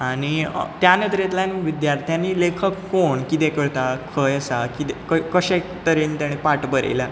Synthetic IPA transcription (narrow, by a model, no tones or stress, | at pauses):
aɽ̃ḭt̪janet̪ɾet̪lanʋid̪jaɾt̪ʰjaniːlekʰəkːoɳkit̪ekəɭt̪akʰəjəsakit̪ekəkəɕekt̪əɾiːnt̪jaɽ̃ipaʈbəɾḛla